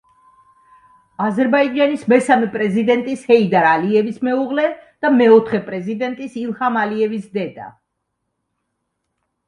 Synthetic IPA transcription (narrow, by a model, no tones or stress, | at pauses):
azɛɾbaid͡ʒanismɛsamɛpʼɾɛzid̪ɛnt̪ʼishɛid̪aɾaliɛvismɛuʁlɛd̪̥amɛɔt̪ʰχɛpʼɾɛzid̪ɛnt̪ʼisilˠhamaliɛvisd̪ɛd̪a̰